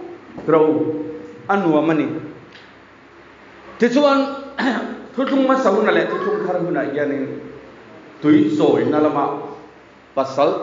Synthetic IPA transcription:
tɾa˨w | a˦nu˨a˨ma˦ni˨ | t̪ʰi˦t͡sʰu˦ka˦n | t̪ʰu˦t͡ɬʰu˦ŋma˦sa˧ɦu˦na˨lɛ˨t̪ʰi˦ɬʰu˦kʰa˦ɾa˦ɦu˦na˨ja˧ni˨n | t̪u˨˦jsɔ˨jna˧la˦ma˧˨ | pa˨sa˦l

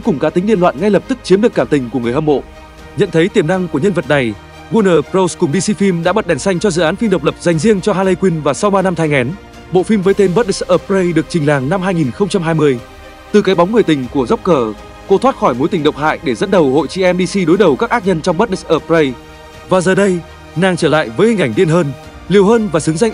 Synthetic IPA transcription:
kʊ˨˩ŋ͡mkaː˨˩t̪i˨˦ŋli˧ənlwa̰ː˧˨nŋa˧jlə˨˩p̚t̪ɨ˦˥k̚t͡ɕi˨˦mɗɨ˨˩əkːaː˧˩mt̪ï˨˩ŋ̟ku˧˩əŋɨ˨˩əjhə˧mo̰˧˨ | ɲə̰˧˨nt̪ʰə˨˦jt̪i˨˩əmna˧ŋku˧˩əɲə˧nvə˨˩t̚ɗa˨˩j | ɣu˧nəː˨˩pzə˧wskʊ˨˩ŋ͡mɗi˧si˧fi˧mɗa̰ː˧˥ɓə˨t̚ɗɛ˨˩nsa˧jŋ̟t͡ɕɔ˧zɨ̰˧˨ʔaː˨˦nfi˧mɗə˨˩wk͡p̚lə˨˩p̚za˨˩jŋ̟zi˧əŋt͡ɕɔ˧ɦaː˧lə˧jkwi˧nvaː˨˩sa˧wɓaː˧na˧mt̪ʰa˧jŋʔɛ˨˦n | ɓo̰˧˨fi˧mvəː˨˦jt̪e˧nɓə˦˥t̚ɗi˦˥sʔəː˧˩p̚zə˧jɗɨ˨˩ək̚t͡ɕï˨˩ŋ̟la̰ː˨˩ŋna˧mɦaː˧jŋi˨˩nxə˧wŋ͡mt͡ɕa˧mɦaː˧jmɨ˧əj | t̪ɨ˨˩kaː˨˦jɓa˨˦wŋ͡mŋɨ˨˩əjt̪ï˨˩ŋ̟ku˧˩əzə˦˥wk͡p̚kəː˧˩ | ko˧˦t̪ʰwaː˦˥t̚xɔ˧˩jmo˨˦jt̪ï˨˩ŋɗə˨wk͡p̚ɦa̰ː˧˨jɗe˧˩zə˦˥t̚ɗə˨˩who̰˧˨jt͡ɕi˨˦ʔɛ˧mɗi˧si˧ɗo˨˦jɗə˨˩wkaː˦˥k̚ʔaː˦˥t̚ɲə˧nt͡ɕɔ˧wŋ͡mɓə˦˥t̚ɗi˦˥ʔəː˧˩p̚zə˧j | vaː˨˩zəː˨˩ɗə˧j | naː˨˩ŋt͡ɕəː˧˩la̰ː˧˨jvəː˨˦jhi˨˩ʔa˧˩jŋɗi˧ənɦəː˧n | li˨˩əwɦəː˧nvaː˨˩sɨ˨˦ŋza˧jŋʔ

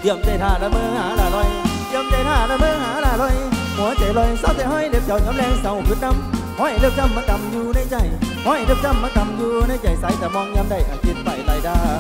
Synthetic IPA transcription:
t̪i˧˩əmt͡ɕa˧˩jt̪ʰaː˧˩laː˧məː˧haː˨˩˦laː˨˩lɔ˧˩jk̪i˧˩əmt͡ɕa˧˩jt̪ʰaː˧˩laː˧˩məː˧ɦaː˨˦laː˧˩lɔ˧˩j | mu˨˦t͡ɕa˨˩lɔ˧˩jsa˨˧˦wt̪aː˨˧˩hɔ˧˨jɗe˨˦p̚t͡ɕa˨˦wɲɔ˨˦mlɛ˧ŋsa˨˦wzu˨˦˥t̚na˧˩m | hɔ˧˩jɗɨ˧əp̚t͡ɕa˧˩mːaː˧˦ka˨˩mzu˧nə˧˩jt͡ɕa˧˩jhɔ˧˥˩jɗɨ˧˩əp̚t͡ɕa˧˩mːaː˧˦ka˨˩mzu˧nə˧˦jt͡ɕa˨˩jsa˨˦jt̪a˨˧˩mɔ˧nɲa˧mɗa˧˩jʔa˨˩t͡ɕi˧˩t̚va̰ː˧˩jt̪aː˧˨˩jɗaː˧

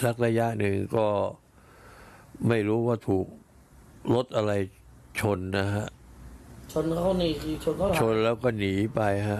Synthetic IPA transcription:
sa˦˥k̚ɾa˧ja˦˥ʔnɯ˧ŋkɔː˥˩ | ma˥˩jɾuː˦˥waː˥˩t̪ʰuː˨˩k̚ | lo˦˥t̪̚ʔa˧ɾa˧j | t͡ɕʰo˧nna˦˥kʰa˦˥ʔ | t͡ɕʰo˧nkʰa˥˩niː˧˩kʰɯː˧t͡ɕʰo˧nkʰa˥˨t͡ɕʰo˧nlɛː˦˥wkɔː˥˩niː˩˦pa˧jɦa˦˥ʔ

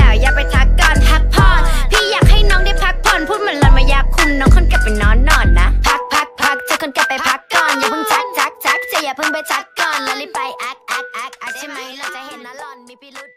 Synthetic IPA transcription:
ɛː˨˩jaː˨˩k̚pa˧jt̪ʰa˦˥kːɔː˧˩npʰa˦˥k̚pʰɔː˧˩npʰiː˧˥˩jaː˨˩k̚ha˥˩jnɔː˦˥ŋda˥˩jpʰa˦˥k̚pʰɔː˧˩npʰuː˥˩ma˧˦nlɔː˧˩nmaː˧˩jaː˧˩kʰːu˧˩nːɔː˨˥ŋkʰɔ˥˩˨nka˨˧˩p̚ːa˨˩jnɔː˨˥nːɔː˧˩nːa˦˥pʰa˦˥k̚pʰa˦˥k̚pʰa˦˥k̚t͡ɕa˨˧˩kʰɤ˧˩˦nka˨˩pːa˨jpʰa˦˥kːɔː˧˩njaː˨˩pʰɤː˧˥˩ŋt͡ɕa˦˩k̚t͡ɕa˧˦˥k̚t͡ɕa˧˦k̚t͡ɕʰa˧˩jaː˨˩pʰɤ˧˥˩ŋbʰa˧˩t̪ʰa˦˥kːɔː˧˩nlli˦˧˥pa˨˧jʔa˧˩k̚ʔa˨˧˩k̚ʔa˧˩ka˨˧˩t͡ɕʰːla˧˩t͡ɕa˨he˨˩˦nna˧˩ɔː˧nmi˧˩i˧˩l̚

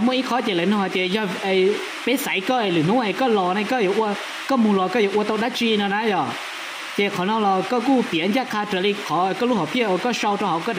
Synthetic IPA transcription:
mu˧˨ʔi˧˩kʰɔː˦t͡ɕe˧˨lə˨˦nɔ˧˩ha˧˩t͡ɕe˧˩jɔ˧˩ʔə˧˩j | pe˧˥˦sa˨˦jkɔː˧˩ʔə˨jlɯː˨˦nu˧˥˦ʔə˨jkɔː˥˩lɔː˧na˧jkɔː˥˨jo˨˩ʔu˧ə | kɔː˥˨mu˧˨lɔː˧kɔː˥˩jo˨ʔət̪o˧k̚da˧˥t͡ɕiː˧nɔ˧na˦˥jɔ˧˩ | t͡ɕe˧˩kʰɔ˨˦nɔː˧˨lɔː˧kɔː˥˩kuː˥˩˨pi˨˦ə˦nja˧˥˨kʰaː˧tə˧˨li˧kʰɔ˨˦˧kɔː˥˨luː˧˥˩hɔ˨˩pʰi˥˩ə˨ʔo˧kɔː˥˩ʂa˧wt̪ɔ˧ɦa˨˦wkɔː˥˩˨

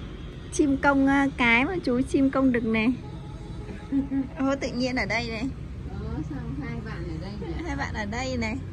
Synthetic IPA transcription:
t͡ɕi˧mkə˧wŋ͡mkaː˨˦jmaː˨˩t͡ɕu˨˦t͡ɕi˧mkə˧wŋ͡mɗɨ˨˩ək̚nɛ˨˩ | ʔo˧˦t̪ɨ̰˧˨ɲi˧ənʔəː˧˩ɗə˧jnɛ˨˩ | ɔ˨˦sa˧wŋ͡mhaː˧jɓa̰ː˧˨nʔəː˨˩ɗə˧jhaː˧jɓa̰ː˧˨nʔəː˨˩ɗə˧jnɛ˨˩

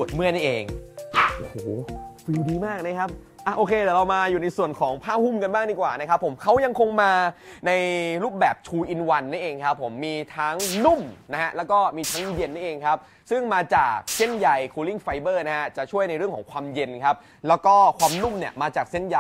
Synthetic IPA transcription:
u˨˩ət̪̚mɯ˥˩əni˥˩ʔeː˧ŋʔo˧˩hoː˨˩˦fiː˧wdiː˧maː˥˩k̚na˦˥kʰa˦˥p̚ | ʔa˨˩ʔoː˧kʰeː˧t̪ɛː˨˩ɾa˧wmaː˧juː˨˩na˧jsu˨˩ənkʰɔː˩˦ŋpʰaː˥˩p̚hu˥˩mka˧nbaː˥˩ŋdiː˧˩kwaː˨˩na˦˥kʰa˦˥pʰːo˩˦mkʰa˦˥wja˧ŋkʰo˧ŋmaː˧na˧jɾuː˥˩p̚bɛː˨˩p̚t͡ɕ̪ʰuː˧ʔi˧nwa˧nːaː˥˩ʔeː˧ŋkʰa˦˥pʰːo˩˦mːiː˧t̪ʰa˦˥ŋnu˥˩mna˦˥ha˦˥ʔlɛː˦˥wkɔː˥˩miː˧t̪ʰa˦˥ŋje˧nːa˥˩ʔeː˧ŋkʰa˦˥p̚ | sɯ˥˩ŋmaː˧t͡ɕaː˨˩k̚se˥˩nja˨˧jkʰoː˧li˥˩ŋfa˧jbɤː˥˩na˦˥ha˦˥t͡ɕa˨˩ʔt͡ɕʰu˥˩əjna˧jɾɯ˥˩əkʰɔː˩˦ŋkʰwaː˧mje˧nkʰa˦˥p̚ | lɛː˦˥wkɔː˥˩kʰwaː˧mnu˥˩mni˥˩əmaː˧t͡ɕaː˨˩k̚se˥˩nja˧

